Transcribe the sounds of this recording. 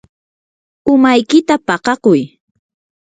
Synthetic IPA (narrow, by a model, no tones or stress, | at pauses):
ʊmajkɪt̪apɑqɑqʊj